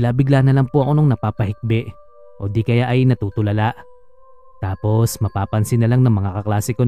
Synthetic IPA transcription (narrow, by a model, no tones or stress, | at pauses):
ɪlaːbɪɡlanɐlaŋpʊʔɐko̞noŋnɐpaːpɐhɪk̚bɛʔ | ʔo̞d̪ikɐjaʔɐjnɐt̪uːt̪ʊlɐlaʔ | t̪aːpo̞smɐpaːpɐnsɪnɐlaŋnɐŋmɐŋakɐklaːsɪko